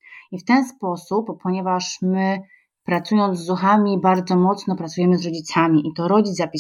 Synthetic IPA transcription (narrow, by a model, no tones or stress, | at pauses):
ift̪ɛnspɔsupːɔɲɛvaʂmɘ | pɾat̪sujɔnd̪zːuxamʲibaɾd̪zɔmɔt̪snɔpɾat̪sujɛmɘzɾɔd͡ʑit̪samʲiʔit̪ɔɾɔd͡ʑid̪apʲi